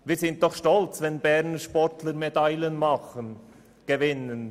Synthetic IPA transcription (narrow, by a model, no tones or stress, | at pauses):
viːɾz̥ɪnt̚d̥ɔχʃtɔlt͡svɛnbɛɾnəʃpɔɾtʰləɾmedaɪlənmɑχən | ɡ̥evɪnən